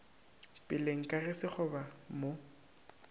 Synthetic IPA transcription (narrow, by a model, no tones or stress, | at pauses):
pʼɪleŋ̩kʼarɪsɪk͡xʰɔbamo